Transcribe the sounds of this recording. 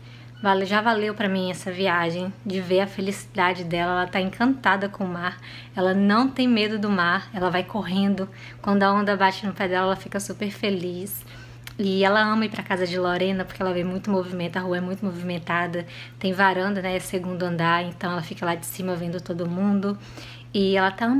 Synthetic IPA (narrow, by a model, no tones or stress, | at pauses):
valʒavalewpɾɐmĩɛsɐviaʒẽj̃d͡ʒɪveɐfelisi̥d̪ad͡ʒɪd̪ɛlɐɛlɐt̪aẽkʰɐ̃nt̪ad̪ɐkõʊmaɾ | ɛlɐnɐ̃w̃t̪ẽj̃med̪ʊd̪ʊmaɾɛlɐvajkoɦẽnd̪ʊ | kwɐ̃nd̪ʊɐõnd̪ɐbat͡ʃɪnʊpɛd̪ɛlɐɛlɐfikɐsupeɾfelis | ɪɛlɐɐ̃mɐipɾɐkazɐd͡ʒɪloɾẽnɐpoɾkeɛlɐvemũj̃t̪ʊmovimẽnt̪ʊaɦuɐɛmũj̃t̪ʊmovimẽnt̪ad̪ɐ | t̪ẽj̃vaɾɐ̃nd̪ɐnɛseɡũnd̪ʊɐ̃nd̪aɾẽnt̪ɐ̃w̃ɛlɐfikɐlad͡ʒɪsĩmɐvẽnd̪ʊt̪od̪ʊmũnd̪ʊ | ɪɛlɐt̪aɐ̃m